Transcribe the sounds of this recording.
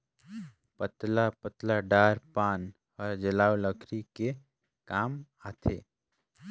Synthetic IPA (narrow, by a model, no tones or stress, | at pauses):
pət̪lapət̪laɖaːɾpaːn | ɔɾd͡ʒəlaːwləkʰɾike | kaːm | aːt̪ʰḛː